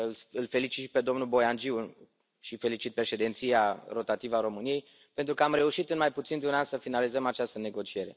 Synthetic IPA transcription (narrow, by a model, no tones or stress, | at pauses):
ɨlɨlfe̞lit͡ʃit̪ʃipe̞d̪o̞mnulbo̞jand͡ʒiw | ʃife̞lit͡ʃit̪̚pɾe̞ʃe̞d̪e̞nt̪siaro̞t̪at̪ivəaɾo̞mɨnije̞j | pe̞nt̪ɾukəamɾe̞uʃit̪ɨnmajput̪sind̪eunansəfinalizəmat͡ʃast̪əne̞ɡo̞t͡ʃie̞ɾe̞